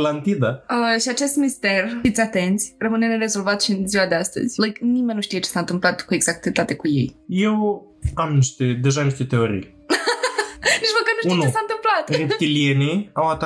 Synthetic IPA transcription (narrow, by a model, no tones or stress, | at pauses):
lant̪id̪aəʃiat͡ʃe̞st̪mist̪erfit̪sʲat̪e̞nt̪sʲrəmɨne̞neɾezo̞lvat̪ʃiɨnziwad̪e̞ast̪ə̰zʲlajknimenʲːuʃt̪ije̞t͡ʃesaɨnt̪ɨmplat̪kueɡz̥ak̚t̪et̪at̪ekuje̞̰jjew | fikamniʃt̪ed̪eʒaniʃt̪et̪eoɾḭj | niʒməkat̪nuʃutenut͡ʃesant̪ɨmplat̪et̪ilienʲiawat̪a